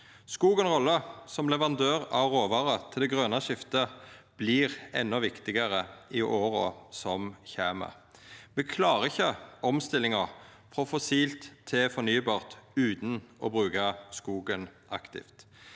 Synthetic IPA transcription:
skuːɡənʁɔlːəsɔmlɛʋɑnd̪øːʁɑʋʁoːʋɑʁət̪ʰɪld̪ɛɡʁøːnɑʃɪft̪əb̥liːʁɛ̰nːɔʋɪkt̪ɪɡəʁəɪʔoːʁɔ̰sɔmçæːmɑ̰ | ʋɛkʰlɑːʁəɪçəɔmst̪ɪlɪŋɑʁ | fʁɔfɔsiːlt̪ʰːɛfɔʁnyːbɑːʁt̪ʉːt̪nʔɔ̰bʁʉːkɑskuːɡənʔɑ̰kt̪ɪ̰ft̪

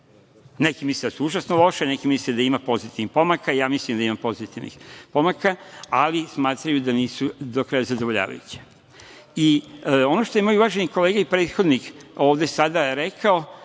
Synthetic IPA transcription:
nekimisled̪asuuʒasnolo̞ʃene̞kimisled̪aimapo̞zit̪iʋnixpo̞makaijaːmislimd̪aimapo̞zit̪iʋnḭxpomakaalismaːt̪ɾajud̪aniːsud̪okɾajazad̪oʋo̞ʎa̰ːʋa̰jṵt͡ɕe̥ | io̞no̞ʃt̪o̞jemojuʋaʒeniko̞le̞ːɡaipɾeːt̪xo̞d̪niko̞ːʋd̪esad̪aeɾekʰao

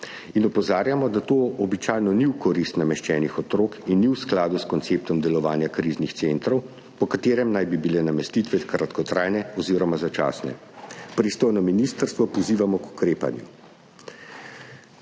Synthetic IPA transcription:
inɔpɔzaːɾjamɔd̪at̪oːɔbit͡ʃaːjnɔniwkɔɾist̪namɛʃt͡ʃɛːnixɔt̪ɾoːkinːiwsklaːd̪uskɔnt̪sep̚t̪ɔmd̪ɛlɔʋaːnjakɾiːznixt̪sent̪ɾɔw | pɔkat̪eːɾɛmnajbibilɛnamɛst̪iːt̪ʋɛkɾat̪kɔt̪ɾaːjnɛɔziːɾɔmazat͡ʃa̰ːsnɛ̰ | pɾist̪oːjnɔminist̪əɾst̪ʋɔpɔziːʋamɔku̥kɾeːpa̰njṵ

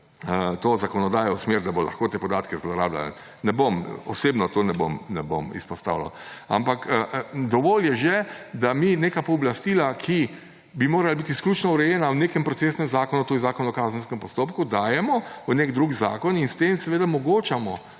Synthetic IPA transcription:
ət̪ozakɔnɔd̪aːjɔwsmeɾd̪abolʔɐ̰xkoːt̪epɔd̪aːt̪kɛzlɔɾa̰ːbla̰nɛ̰ | nɛbomɔ̰seːbnɔt̪onɛbo̰mnɛbo̰mḭspɔst̪a̰wlɔ̰a̰mpakd̪ɔʋoːljɛʒɛd̪amineːkapɔblast̪iːlakʰi | bimoːɾalabit̪isklʲut͡ʃnɔuɾɛjɛnawneːkɛmpɾɔt̪seːsnɛmzaːkɔnut̪ozaːkɔnɔkaːzənskɛmpɔst̪oːpkud̪aːjɛmɔunekd̪ɾuɡiza̰ːkɔninst̪emsɛʋeːd̪amɔɡoːt͡ʃamɔ

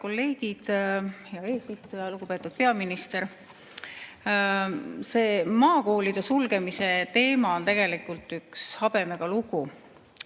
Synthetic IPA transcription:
ko̞lːe̞ːɡ̥id̪̥jɑe̞ːsist̪ujɑluɡ̥upe̞ːt̪ːˑud̪̥̚pe̞ɑminist̪e̞ɾ | se̞ːmɑːko̞ːlid̪̥e̞sulɡ̥e̞mise̞t̪e̞ːmɑo̞nt̪e̞ɡ̥e̞likˑult̪ykshɑb̥e̞meɡ̥ɑluɡ̥u

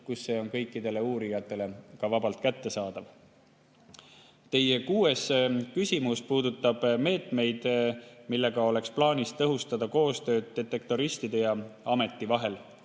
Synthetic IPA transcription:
kusːe̞ːo̞nkɤ̞jkːˑid̪e̞le̞uːɾijɑt̪ːˑe̞le̞kɑvɑb̥ɑlt̪kæt̪ːe̞sɑːd̪ɑv | t̪e̞je̞kuːe̞skysʲimuspuːd̪ut̪ːˑɑb̥me̞ːt̪ˑme̞jd̪̥milːe̞ɡ̥ɑo̞le̞ksplɑːnʲist̪ɤɦust̪ɑd̪̥ɑko̞ːst̪ø̞ːd̪̥̚d̪e̞t̪ːe̞kt̪o̞ɾist̪id̪̥e̞jɑɑme̞t̪ːˑivɑɦe̞l

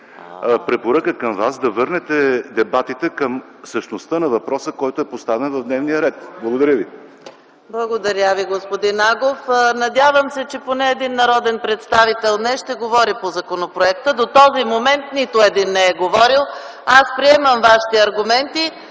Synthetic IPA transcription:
pɾɛpoɾəkəkəmvasd̪ɐvɤɾnɛt̪ɛd̪ɛbat̪it̪ɛkəm | fsəʃnost̪ənɐvɐpɾɔsəkɔjt̪oɛpost̪avɛnvɐvd̪nɛvnijəɾɛt̪blˠɐɡod̪ɐɾʲjəvi | blˠɐɡod̪ɐɾʲəviɡospod̪inaɡofnɐd̪ʲjavəmsɛt͡ʃɛponɛːd̪inːɐɾɔd̪ɛnpɾɛt̪st̪avit̪ɛlˠnɛʃt̪ɛɡovɔɾipozɐkonopɾoɛk̚t̪əd̪ot̪ɔzimomɛnt̪nit̪ʊɛd̪inːɛɛɡovɔɾilˠ | aspɾiɛməmvaʃi̥t̪ɛɐɾɡʊmɛnt̪i

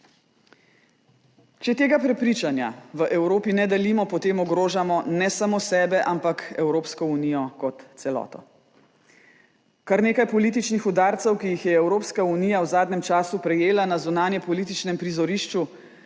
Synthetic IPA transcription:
t͡ʃɛt̪eːɡapɾɛpɾiːt͡ʃanja̰ʋəʔɛwɾoːpinɛd̪ɛlimɔpɔt̪eːmɔɡɾoːʒamɔnɛsamosɛːbɛʔampakɛwɾoːpskɔunijɔkɔt̪sɛlɔ̰ːt̪ɔ̰ | kaɾneːkajpɔliːt̪̬it͡ʃnixud̪aːɾt̪sɛwkijixjɛɛwɾoːpskauniːjawzaːd̪nɛmt͡ʃaːsupɾɛjeːlanazunaːnjɛpɔliːt̪it͡ʃnɛmpɾizɔɾiʃt͡ʃu

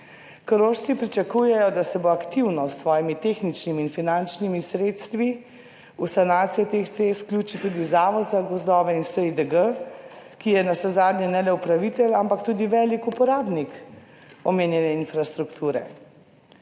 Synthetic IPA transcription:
kəɾoʃt̪sipɾit͡ʃakujɛjɔd̪asɛboakt̪iwnɔsːʋɔːjimit̪exnit͡ʃnimiːnfinant͡ʃnimisɾeːt̪st̪ʋi | usanaːt̪sijɛt̪exsesklʲjuːt͡ʃit̪ud̪izaːʋɔd̪zaɡɔzd̪ɔːʋɛinsəid̪əɡə | kijɛnasɛzaːd̪ɲjɛnɛlɛupɾaʋit̪ɛlampakt̪uːd̪iʋɛlikupɔɾaːbnik | ɔmeːnjɛnɛinfɾast̪ɾukt̪ʰuːɾɛ̰

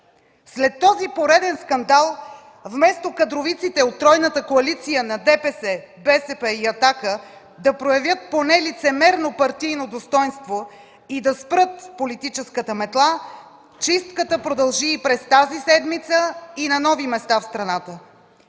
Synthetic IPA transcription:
slɛt̪ːɔzipoɾɛd̪ɛnskɐnd̪alˠ | vmɛst̪okɐd̪ɾovit̪sit̪ɛot̪ːɾɔjnət̪əkoɐlit̪sijənɐd̪ɛpɛsɛ | bɛsɛpɛiɐt̪akə | d̪ɐpɾojɐvʲjət̪̚ponɛlit̪sɛmɛɾnopɐɾt̪ijnod̪ost̪ɔjnst̪vo | id̪ɐspɾɤt̪polit̪it͡ʃɛskət̪əmɛt̪lˠa | t͡ʃist̪kət̪əpɾod̪ɐlˠʒiːpɾɛst̪azisɛd̪mit̪səinɐnɔvimɛst̪afst̪ɾɐnat̪ə

